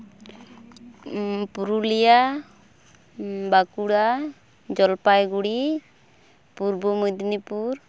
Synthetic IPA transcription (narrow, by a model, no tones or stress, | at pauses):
puɾulija | bakuɽa | d͡ʒɔlpajɡuɽi | puɾbɔmud̪nipuɾ